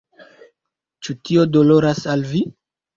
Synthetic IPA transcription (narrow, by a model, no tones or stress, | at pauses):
t͡ʃutio̞do̞lo̞ɾasalvi